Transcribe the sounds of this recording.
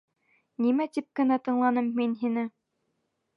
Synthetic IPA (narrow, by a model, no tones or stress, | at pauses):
nimæt̪ip̚kɘ̆næt̪ɤ̆ɴlˠɑnɤmːinɦinɘ